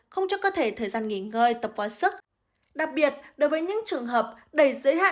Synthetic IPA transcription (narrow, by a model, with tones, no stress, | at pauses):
xə˧wŋ͡mt͡ɕɔ˧˦kɔ˨˦t̪ʰe˧˩t̪ʰəː˨˩jzaː˧nŋi˧˩ŋəː˧jt̪ə˨˩p̚vaː˨˩wsɨ˦˥k̚ | ɗa˨˩k̚ɓi˨˩ət̚ɗo˨˦jvəː˨˦jɲɨ̰˧˥ŋt͡ɕɨ˨˩əŋɦəː˨˩p̚ | ɗə˧˩jzəː˨˦jɦa̰ː˧˨